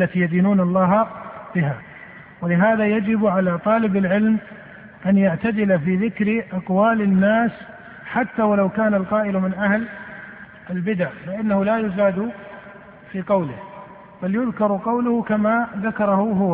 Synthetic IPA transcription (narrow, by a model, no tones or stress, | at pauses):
at̪iːjad̪iːnuːnalˤːɑːɦabɪɦa̰ | walɪɦaːðajad͡ʒɪbʕalat̪ˤɑːlɪbɪlʕɪlm | ʔanjaʕt̪ad̪ɪlafiːðɪkɾʔɑqwaːlɪnːaːs | ħat̪ːawalawkaːnalqɑːʔɪlmɪnʔahl | ʔɪlbɪd̪aʕfɪʔɪnːahʊlajʊzaːd̪ʊ | fiːqɑwlɪh | b̥aljʊðkɑɾˤqɑwlʊhʊkamaðakɑɾˤɑhʊɦʊwa